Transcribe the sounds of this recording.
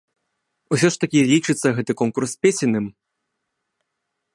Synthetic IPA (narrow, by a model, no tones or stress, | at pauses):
usʲɔʂt̪ɐkʲilʲit͡ʂɨt̪sːɐɣɛt̪ɨkɔnkurspʲesʲinɨm